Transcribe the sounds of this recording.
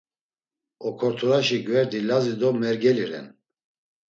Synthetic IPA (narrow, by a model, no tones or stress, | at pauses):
ɔkʰɔɾt̪ʰuɾaʃiɡvɛɾd̪ilazid̪ɔmɛɾɡɛliɾɛ̰n